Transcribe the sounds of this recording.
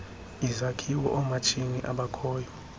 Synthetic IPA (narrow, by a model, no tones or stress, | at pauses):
izakʰiwɔ̰ʔɔmat͡ʃʰiniʔaɓakʰɔːjɔ